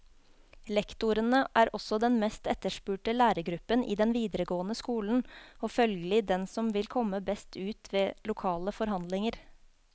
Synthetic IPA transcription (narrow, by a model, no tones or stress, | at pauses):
lɛkt̪ʊɾənəʔæːɾʔɔsɔd̪ɛnmɛst̪ɛt̪əʂpʉːʈəlæːɾəɡɾʉpːənʔḭːd̪ɛnʋiːd̪əɾəɡoːənəskuːln̩ofœlɡəlɪd̪ɛnsɔmʋɪlkʰɔmːəbɛst̪ʉːt̪ʰʋeːlʊkʰɑːləfɔɾɦɑnd̪lɪŋəɾ